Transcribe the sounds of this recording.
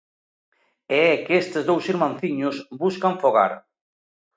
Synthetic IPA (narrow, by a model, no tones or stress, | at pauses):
ɛɛkest̪ɪzðowsiɾmãnθiɲʊsbuskaɱfoɣa̰ɾ